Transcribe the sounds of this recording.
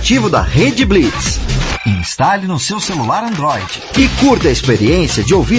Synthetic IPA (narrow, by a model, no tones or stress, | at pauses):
t͡ʃivʊd̪ɐ̰ʁed͡ʒɪblitsĩst̪alinʊsewselulaɾɐ̃nd̪ɾɔjd͡ʒɪɪkuɾt̪ɐespeɾiẽsiɐd͡ʒɪowvi